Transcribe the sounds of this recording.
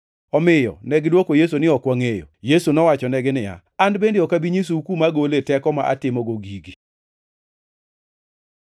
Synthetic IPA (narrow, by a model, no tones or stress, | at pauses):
ɔmɪjɔ̰nɛɡɪlwokojes̬onɪɔkwaŋejo̰jesunɔwat͡ʃɔnɛɡɪnɪja̰ | andbendeɔkabiɲis̬uukumaɡoletɛkɔma̰ʔa̰tɪmɔɡoɡiɡi